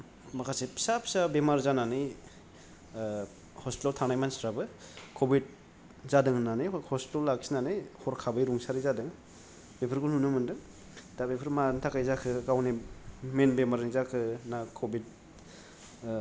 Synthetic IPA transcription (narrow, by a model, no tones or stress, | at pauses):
makʰasepʰi̥sapʰsabemaɾzananɯj | hɔspitoltʰanajmansɾabɯkʰobid̚ | z̥adɯŋnanɯjhɔsi̥tolːaksinanɯjhɔɾkʰabɯjɾuŋsaɾizadɯŋ | bepʰɯɾɡulnhunɯmɯndɯŋ | dabepʰɯɾmantʰakajzakʰɯkawnimenbemaɾnizakʰɯnakʰobid̚